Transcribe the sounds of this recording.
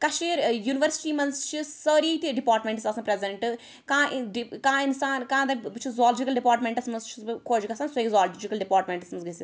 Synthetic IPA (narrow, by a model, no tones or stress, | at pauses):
kɐʃiːɾjuːniʋəɾsi̥ʈiːmɐnst͡ʃʰisəːɾiːt̪iɖipaːɾʈmẽɳʈsɐsɐ̃pɾezɐɳʈɨ | kãːʔɖikãːinsaːnkãːd̪ɐbt͡ʃʰizaːld͡ʒikɐlɖipaːɾʈmẽɳʈɐsmɐnst͡ʃʰiskʰoːd͡ʒikɐsaːnsoekzaːld͡ʒikɐlɖipaːɾʈmẽɳʈɐsmɐnzɡɐsi